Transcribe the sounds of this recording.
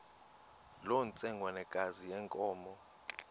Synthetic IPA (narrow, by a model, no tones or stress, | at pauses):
lont͡sʼɛŋɡʱwanɛɡ̥ʱazijɛŋkʼɔːmɔ